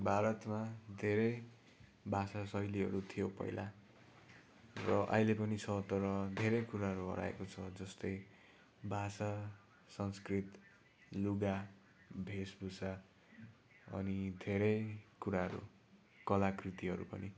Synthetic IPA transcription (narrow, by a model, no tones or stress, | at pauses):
bʱaɾʌt̪mad̪ʱeɾʌj | bʱasasʌjliɦʌ̰ɾut̪ʰijopʌ̰jla | rʌʔʌ̰ɦilepʌnit͡sʰʌt̪ʌɾʌd̪ʱeɾʌjkuɾaɦʌɾuɦʌ̰ɾa̰ḛkot͡sʰʌd͡zʌst̪ʌj | bʱasa | sʌnskrit̪ | luɡa | bʱesbʱusa | ʌ̰nid̪ʱeɾʌjkuɾaɦʌɾṵ | kʌlakrit̪iɦʌɾṵpʌ̰ni